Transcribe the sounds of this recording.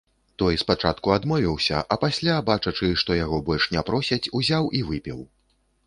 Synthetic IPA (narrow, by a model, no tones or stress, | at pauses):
t̪ɔjspat͡ʂa̰t̪kuad̪mɔvʲiwsʲɐ̰ʔɐpasʲlʲabat͡ʂɐt͡ʂɨʂt̪ɔjaɣɔbɔlʲʂnʲɛpɾɔsʲɐt͡sʲuzʲawʔivɨpʲiw